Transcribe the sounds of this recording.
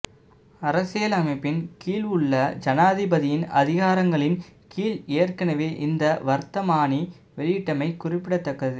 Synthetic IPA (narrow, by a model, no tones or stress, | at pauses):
ɐɾɐsɪjɐlɐmɐɪpːɪnkiːlɯɭːɐd͡ʒɐnaːðɪbɐðɪjɪnɐ̰ðɪɣaːɾɐŋɡɐɭɪnkiːleːɐrkɐnɐʋeːʔɪnd̪ɐʋɐɾt̪ɐmaːni | ʋɛɭɪjɪʈːɐmɐɪkʊrɪpːɪɽɐt̪ːɐkːɐðɯ